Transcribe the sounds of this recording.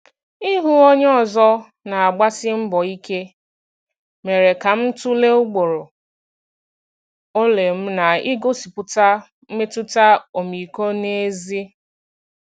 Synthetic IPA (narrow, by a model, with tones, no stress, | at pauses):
i˦ɦu˦o˦ɲ˦ɔ˦˨zɔ˦ | na˨a˨ɡ͡ba˦sɪ˦m̩˦bɔ˨i˦ke˦ | me˨ɾe˨ka˨m̩˦tu˦le˦ʊ˦ɡ͡bo˨ɾo˨ | o˦le˨m̩˦na˨i˦ɡo˦si˨pʊ˨ta˦ | m̩˦me˦tʊ˦ta˦o˨mi˨ko˦ne˦zi˦